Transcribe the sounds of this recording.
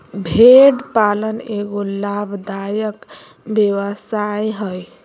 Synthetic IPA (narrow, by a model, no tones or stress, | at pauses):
bʱeɖpaləneɡolabʱd̪ajək | bjewəsajɦəj